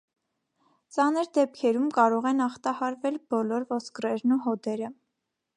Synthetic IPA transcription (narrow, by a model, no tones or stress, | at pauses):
t͡sɑnəɾd̪ɛp̚kʰɛɾumkɑɾɔʁɛnɑχt̪ɑhɑɾvɛlbɔlɔɾvɔskɾɛɾnuɦɔd̪ɛɾə